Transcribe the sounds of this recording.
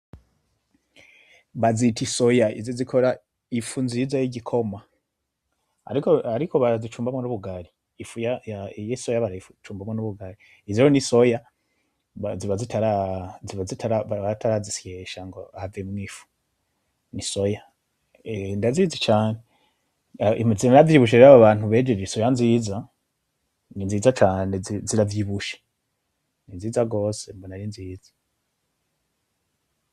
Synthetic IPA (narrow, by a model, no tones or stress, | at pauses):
βazitʰisojaḭzozikʰo̞ɾa | ifunzizajiɟikʰo̞ma | a̰ɾikoaɾikʰo̞βaɾazit͡ʃuːmbamŋonuβuɡaɾiː | fujajajesojaβaɾaifut͡ʃuːmbamŋonuβuɡaɾiː | ziɾoniso̞ja | aziβazitʰaɾaziβazitʰaɾaβaβatʰaɾazisjeʃaŋɡoaavemŋiːfu̥ | nisoja | ndaziːzit͡ʃaːne | imzinɾavjiβuʃ̬eiɾaβaβaːn̥huβeːd͡ʒeɾisojanziːza | ninziːzat͡ʃaːneiziɾavjiβuʃe̥ | ninziːzaɡo̞ːsembonaɾinziːzḁ